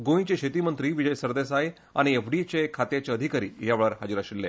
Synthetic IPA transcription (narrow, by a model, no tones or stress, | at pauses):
ɡõĩt͡ɕeɕet̪imənt̪ɾiːʋid͡ʑəjsəɾd̪esaj | a̰ɽ̃iefɖit͡ɕekʰat̪jat͡ɕeəd̪ʱikaɾḭːjaʋɭəɾɦad͡ʑiɾaɕilːḛ